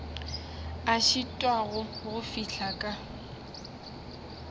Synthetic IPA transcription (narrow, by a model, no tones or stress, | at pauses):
aʃitʼwaɣʊɣʊfiɬʰakʼa